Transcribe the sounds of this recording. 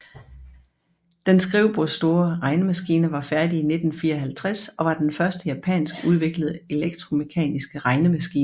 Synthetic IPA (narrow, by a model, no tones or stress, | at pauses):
d̥ensɡ̥ʁiʊb̥osːd̥o̝ːɐʁɑ̈ɪnəmæsɡ̥iːnəʋɑ̈fæɐd̥iːne̝d̥n̩fiːɐɒɦælt͡sʰʁasɒ̽ʋɑ̈d̥enfɶɐsd̥əjæpʰɛ̰ːnsɡ̥uð̞ˠʋe̝ɡ̥ləð̞̩ˠəe̝leɡ̥̚d̥ʰʁo̝me̝kʰɛ̰ːnisɡ̥əʁɑ̈ɪnəmæsɡ̥ḭːnə